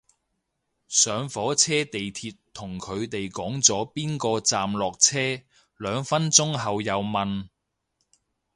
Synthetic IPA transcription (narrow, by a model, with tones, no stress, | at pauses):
sœː˨˧ŋfɔː˨˥t͡sʰɛː˥t̪e˨jt̪ʰiː˧t̪ʰʊ˨˩ŋkʰɵ˨˧ɥt̪e˨jkɔː˨˥ŋt͡sɔː˨˥piː˥nkɔː˧t͡saː˨mlɔː˨k̚t͡sʰɛː˥ | lœː˨˧ŋfɐ˥nt͡sʊ˥ŋɦɐ˨wjɐ˨˧wmɐ˨n